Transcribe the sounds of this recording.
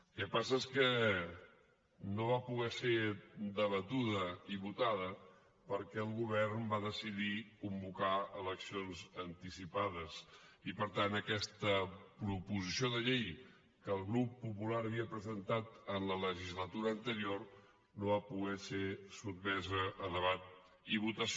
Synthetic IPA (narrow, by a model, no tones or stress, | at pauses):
kɛpasəeskə | noβapuɣɛsed̪əβət̪uðəiβut̪aðə | pəɾkɛəlˠɣuβ̞ɛrnbaðəsiðikumbukaələksionzənt̪isipaðəsipəɾt̪anəkɛst̪əpɾupuzisioðəʎej | kəːlˠɣɾupːupulaɾəβiəpɾəzənt̪at̪ənlələʒizlət̪uɾəːnt̪əɾior | noβapuɣɛsesut̪mɛzəʔːðəβat̪̚ | iβut̪əs